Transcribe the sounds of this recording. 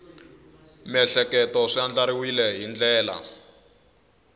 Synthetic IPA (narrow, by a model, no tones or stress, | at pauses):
mɛɬɛkɛtɔʂiand͡ɮaɾiwilɛɦind͡ɮɛːla̰